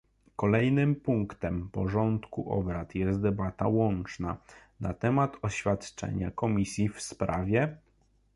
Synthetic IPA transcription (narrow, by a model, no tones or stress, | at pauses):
kɔlɛjnɘmpuŋkt̪ɛmpɔʐɔnt̪kuʔɔ̰bɾat̪jɛst̪̚d̪ɛbat̪awɔnt͡ʂnanat̪ɛmat̪ɔɕfʲjat̪t͡ʂɛ̰ɲa̰kɔmʲisʲjifspɾavʲjɛ